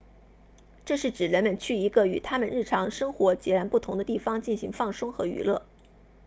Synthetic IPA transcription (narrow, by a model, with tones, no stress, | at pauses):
ʈ͡ʂɤ˥˧ʂɻ̩˥˩ʈ͡ʂɻ̩˨˩ɻə˧˥nmə˧nt͡ɕʰy˥˩i˧˥ɡə˧y˨˩t̪ʰa˥mə˨nɻ̩˥˩ʈ͡ʂʰɑ˧˥ŋʂɤ˥ŋxwɔ˧˥t͡ɕjɛ˧˥ɻa˧˥npu˥˩t̪ʰʊ˧˥ŋd̪ə˧t̪i˥˩fɑ˥ŋt͡ɕi˥˩nɕḭ˧˥ŋfɑ˥˩ŋʂʊ˥ŋxɤ˧˥y̰˧˥lɤ̰˥˩